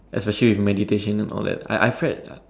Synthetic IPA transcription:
ʔɛspɛʃəliwifmɛditeʃə̃nɛ̃nʔɔ̰lˠdɛ̰t̚a̰ɪʔajfɹɛd̚

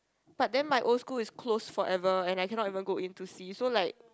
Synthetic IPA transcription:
b̥at̚dɛ̃nmajʔolskulɪskʰlosfɔɹʔɛvəɛ̃najkɛ̃nɔtivə̃nɡoʔĩntusisolaɪk̚

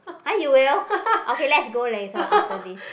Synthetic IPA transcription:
hajuwilʔokelɛtsɡolasoʔaftədis

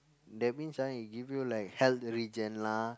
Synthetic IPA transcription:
dɛmĩnsaiɡivjulaɪkhɛlt̪ɹid͡ʒə̃nla

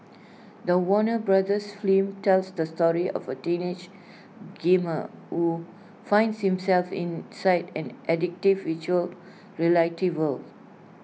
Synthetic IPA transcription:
d̪əwɔnəbɹadəsflĩmtɛlsdəstɔɹiʔɔ̰vətĩned͡ʒ | ɡẽmə̰hu | fãɪ̃ndshĩmsɛlfḭ̃nsaɪdɛ̃nʔɛdɪk̚tivit͡ʃuəl | ɹilaɪtʰivəl

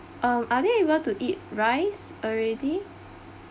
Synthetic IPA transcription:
ʔãmadeibətuʔit̚ɹajs | ɔɹɛdi

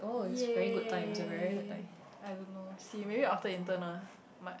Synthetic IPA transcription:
ʔoɪsɛvɛɹiɡʊd̚tãɪ̃msəvɛɹiɡʊd̚tãɪ̃m | ajdõnːosimebiaftəĩntənəl | ma

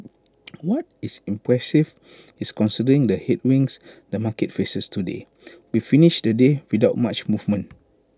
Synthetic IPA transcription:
wɔt̚isĩmpɹɛsiv | iskɔ̃nsidəɹĩŋdəhet̚wĩŋsdəmakɛt̚fesəstudḛ | wifiniʃdədewidaʊt̚mat͡ʃmuvmə̃n

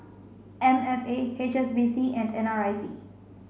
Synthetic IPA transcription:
ɛ̃nɛfeet͡ʃɛsbisiʔɛ̃ndɛ̃naɹajsḭ

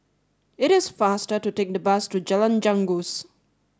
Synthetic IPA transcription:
ɪɾɪsfastətutek̚dəbastud͡ʒalãnd͡ʒãŋɡus

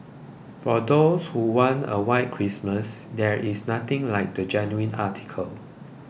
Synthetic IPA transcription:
fɔdoshuwãnə̰waɪt̚kʰɹisməsdɛɹʔisnat̪ɪ̃ŋlaɪk̚dəd͡ʒɛnjuĩnatʰi̥kʰəl

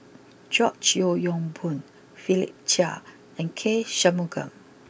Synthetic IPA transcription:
d͡ʒɔt͡ʃjojɔ̃ŋbũn | filḭp̚t͡ʃa̰ | ɛ̃nkʰeʃamuɡə̰̃m

